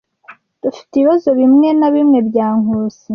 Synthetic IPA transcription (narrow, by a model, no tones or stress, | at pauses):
d̥ufi̥teiβazo̞βimŋe̞naβimŋe̞bɟaːŋuːsi